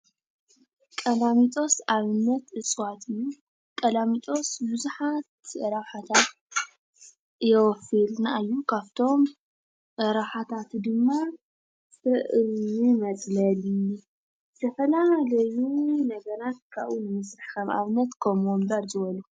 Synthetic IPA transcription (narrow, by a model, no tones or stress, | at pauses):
kʼɐlamit̪ʼo̞saβnɐt̪ɨt͡sʼwat̪ʰɨjːu | kʼɐlamit̪ʼo̞sbɨzuħat̪ɐɾawħat̪ʰat̪̚ | jɛwɔfilnaɨjːukʰaβt̪ʰo̞m | ʔɐɾawħat̪ʰat̪d̪ɨmːa | sɨʔɨimɐt͡sʼlɐlij | t̪ʰɐfɐlalɐjunɐɡɐɾat̪̚kʰaβʔunɨmɐsɾɨħxɐma̰βnɐt̪kʰomombɐɾzɨβɐlu